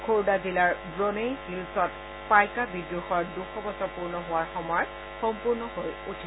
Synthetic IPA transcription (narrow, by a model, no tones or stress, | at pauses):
kʰoɹdazilaɹbɹonejhilsɔt̚ | pajkabidɹuxɔɹduxʰɔbɔsɔpuɹnɔɦʊwaɹxɔmɔɹ | xɔmpuɹnɔɦojutʰi